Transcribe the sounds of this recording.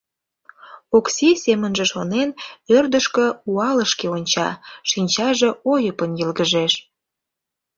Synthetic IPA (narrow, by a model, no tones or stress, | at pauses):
oksisemənʒĕʃonenørd̪əʃkə̆uɑləʃkeonʲt͡ɕɑ̰ʃinʲt͡ɕɑʒeojəpənjəlɣəʒeʃ